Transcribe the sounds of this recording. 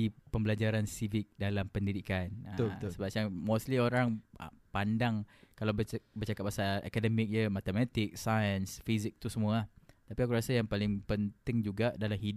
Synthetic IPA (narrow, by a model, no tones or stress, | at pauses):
ipəmbəlad͡ʒaɾansivɪk̚dalampəndidikanəət̪səbasamoslioɾaŋə̰pandaŋkalawbəbərt͡ʃakat̪̚basaa̰kadəmɪk̚jəmat̪əmat̪ɪk̚sajənsfizɪk̚t̪usəmũat̪apiakuɾasajaŋpalɪŋpənt̪ɪŋd͡ʒuɡaʔdalamhid